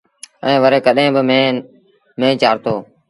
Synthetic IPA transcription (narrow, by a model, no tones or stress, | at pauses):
ɛ̃ːʋəɾeːkəɗẽːbɪme | mẽːt͡ʃaːɾt̪oː